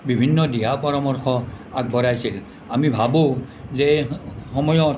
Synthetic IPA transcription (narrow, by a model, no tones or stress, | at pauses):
bibʱinːɔdijapɔɹɔmɔɹxʰɔ | aɡ̚bɔɹajsil | amibʱabozehɔmɔjɔ